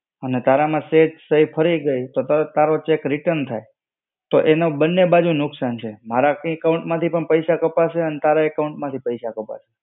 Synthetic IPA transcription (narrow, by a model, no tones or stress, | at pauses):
ənet̪aɾamãsed͡ʒsəipʰəɾiɡəit̪ot̪aɾot͡ʃekɾɪʈənt̪ʰaj | t̪oʔenobənːebad͡ʒunʊksant͡ʃʰemaɾakaũɳʈmãt̪ʰipəɳpəjsakəpaʃeənet̪aɾaekaũɳʈmãt̪ʰipəjsakəpa̰ʃe̥